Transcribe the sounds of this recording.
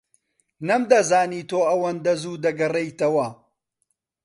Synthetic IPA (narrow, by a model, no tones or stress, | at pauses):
nɐmd̪ɐzaːniːt̪oːɐwɐnd̪ɐzuːd̪ɐɡɐrejt̪ɐwɐ